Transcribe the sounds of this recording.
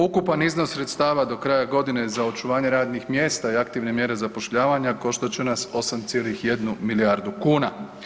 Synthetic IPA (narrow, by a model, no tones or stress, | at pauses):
ukupanizno̞sːɾe̞t̪st̪aːʋad̪o̞kɾaːjaɡo̞d̪inezao̞t͡ʃuʋaːɲe̞ɾaːd̪nixmjest̪aiakt̪iʋne̞mje̞ɾe̞zapo̞ʃʎaːʋaɲako̞ʃt̪ot͡ɕenaso̞samt̪sjeːlixje̞d̪numiliaɾd̪ukuːna